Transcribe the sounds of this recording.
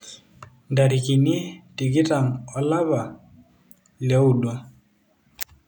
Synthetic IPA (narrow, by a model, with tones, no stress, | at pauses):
nda˨ɾi˨ki˨ni˦ti˨ki˦ta˨ŋɔ˨la˦βa˨ | lja˦u˨dwa˦